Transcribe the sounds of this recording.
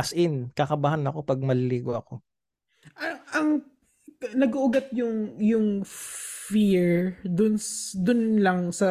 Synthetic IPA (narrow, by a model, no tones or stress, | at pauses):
sʔɪnkɐkɐbahanɐko̞pɐɡ̚mɐlɪliːɡoʔɐko̞ | ʔɐɐŋ | nɐɡʊʔʊɡɐt̪̚jʊŋjʊŋ | fiɹd̪ʊnsd̪ʊnlɐŋsɐ